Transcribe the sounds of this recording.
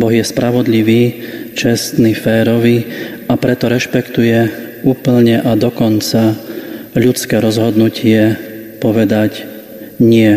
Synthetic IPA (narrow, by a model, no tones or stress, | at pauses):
bɔɣjɛspɾaʋɔd̪ʎiʋiːt͡ʃɛst̪nifɛːɾɔʋi | apɾɛt̪ɔɾɛʃpɛkt̪ujɛuːpl̩ɲɛʔad̪ɔkɔnt͡sa | ʎut͡skɛːɾɔzɦɔd̪nucɪɛ | pɔʋɛd̪ac | ɲɪɛ